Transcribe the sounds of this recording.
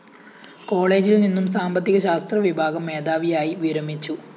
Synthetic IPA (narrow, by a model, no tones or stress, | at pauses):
ko̞ːɭe̞ːd͡ʑilninːumsaːmbɐt̪ːiɣɐɕaːst̪rɐʋibʱaːɡɐmːe̞ːd̪aːʋijaːjiʋiɾɐmit͡ɕːu